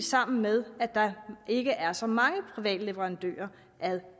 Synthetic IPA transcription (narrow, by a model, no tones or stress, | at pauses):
sɑ̈m̰n̩með̞ˠæd̥ɑ̈ʔe̝ɡ̥əʔæɐsɒ̽mɑ̈ŋəpʰʁiʋɛ̰ːd̥le̝ʋəʁɑ̈nd̥ø̰ːɐ | ʔæðˠ